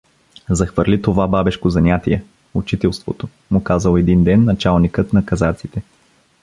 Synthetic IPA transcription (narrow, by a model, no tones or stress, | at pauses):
zɐxvəɾlit̪ovababɛʃkozɐnʲat̪iɛ | ut͡ʃit̪ɛlˠst̪vo̰t̪o | mʊkazəlˠoɛd̪ind̪ɛnːɐt͡ʃalˠnikət̪nɐkɐzat̪sit̪ɛ